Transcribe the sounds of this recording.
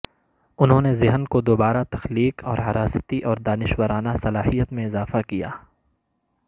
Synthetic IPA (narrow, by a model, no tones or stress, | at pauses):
ʊnɦõːnezɪɦənkod̪oːbaːɾat̪ɐxliːkɔːɾɦɐɾaːsət̪iʔɔːɾd̪aːnɪʃwəɾaːnasɐlaːɦijət̪mẽɪzaːfakija̰ː